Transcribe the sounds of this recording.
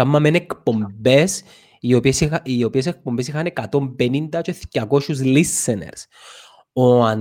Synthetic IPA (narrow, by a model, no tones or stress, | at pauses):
ɐmːɐmenekpo̞mbe̞s | iopsiopies̬ek̚pombesixɐnekɐt̪o̞mbenind̪ɐt͡ʃoeθcɐkoʃuzlisːenḛɾs | oɐn